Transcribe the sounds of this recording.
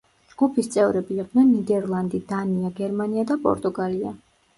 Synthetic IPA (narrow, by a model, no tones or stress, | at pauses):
d͡ʒɡ̥upʰist̪sʼɛvɾɛbiːqʼd̪nɛnːid̪ɛɾlˠand̪id̪aniaɡɛɾmaniad̪apʼɔ̰ɾt̪ʼuɡalia̰